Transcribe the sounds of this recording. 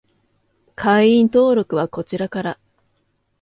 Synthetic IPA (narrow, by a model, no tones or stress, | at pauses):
kʰaiĩnt̪o̞ːɾo̞kɯ̟βako̞t͡ɕiɾakaɾa